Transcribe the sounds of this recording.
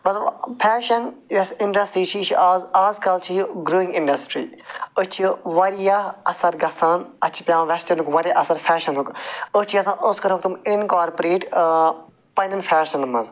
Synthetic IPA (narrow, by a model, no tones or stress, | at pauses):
mɐt̪lɐbpʰɛːʃɐnjɐsɪɳɖɐsʈɾiːt͡ʃʰiːt͡ʃʰiaːzaːzkɐlt͡ʃʰijɡɾoːɪ̃ŋɡɪ̃ɳɖɐsʈɾiːʊt͡ʃʰiʋɐɾijaɐsɐɾɡɐsãːnɐt͡ʃʰi̥pjãːʋɛst͡ʃɐnukʋɐɾʲjaʔɐsɐɾpʰɛːʃɐnɦʊkʊst͡ʃʰiɐsãːʔʊskɐɾɦʊkt̪umɪnkaːɾpɾeːʈ | pɐnɐnfʰɛːʃɐnmɐz